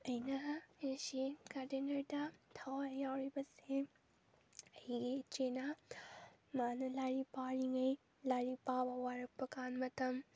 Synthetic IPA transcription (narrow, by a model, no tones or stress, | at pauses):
ɐjnɐesikadenɐɾdɐtʰawaɐjawɾibɐse | ɐjiɡet͡ʃenɐ | manɐlaɾipaɾiŋɐj | laɾipabɐwaɾɐk̚pɐkanmɐtɐm